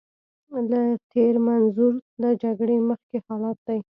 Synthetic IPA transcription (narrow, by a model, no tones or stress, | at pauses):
lat̪ʰeɾmanzuɾləd͡ʒaɡɽeməxkehɑlɑt̪̚d̪aj